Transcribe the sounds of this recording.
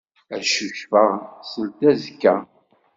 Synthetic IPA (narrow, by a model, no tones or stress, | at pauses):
æʃuçfəʁsəlt̪æzkːæ